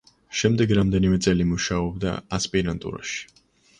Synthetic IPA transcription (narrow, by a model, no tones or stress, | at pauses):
ʃɛmd̪ɛɡɾamd̪ɛnimɛt̪sʼɛlimuʃaɔbd̪a̰aspʼiɾant̪ʼṵɾa̰ʃi̥